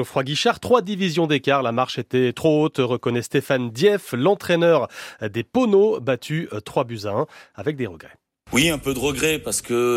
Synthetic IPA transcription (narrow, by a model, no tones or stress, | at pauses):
ofχwaɡʲiʃaʁt̪χwad̪ivizjɔ̃d̪ekaʁlamaʁʃet̪ɛt̪χoot̪ʁəkɔnɛst̪efand̪jɛflɑ̃t̪χɛnœʁd̪eponobat̪ʰyt̪χwabyzɛ̃avɛk̚d̪eʁəɡʁɛ | wiɛ̃pød̪əʁəɡʁɛpaʁsə̥kə